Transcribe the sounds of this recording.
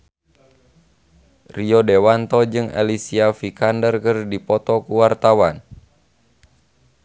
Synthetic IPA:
riɔdewant̪ɔd͡ʒɨŋɛ̰lisiafikandərkərdipɔt̪ɔkuwart̪awan

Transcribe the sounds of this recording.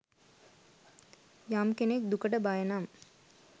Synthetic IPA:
jamkenek̚d̪ukəʈəbajɐnam

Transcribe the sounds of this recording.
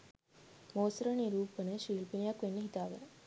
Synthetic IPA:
moːsɾɐniɾuːpːɐnɐʂiːlpinjaːkuʋenːɐɦit̪aːʋɐ̰n

